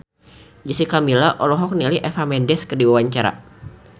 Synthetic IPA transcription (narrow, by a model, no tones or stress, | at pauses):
d͡ʒəsikamilaʔɔlɔɦɔk̚niliʔɛfamɛndɛskədiwawaɲt͡ʃaɾa̰